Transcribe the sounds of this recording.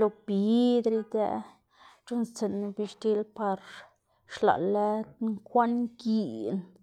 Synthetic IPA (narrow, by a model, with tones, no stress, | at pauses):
lo˨bi˨d̪ɾi˧d̪ḛ˧ | t͡ʃu˦nt͡se˨n˧bi˧ʃt̪i˧lpa˧ɾ | ʂla̰˨la˦ŋkʷa˦nɡi˧˨n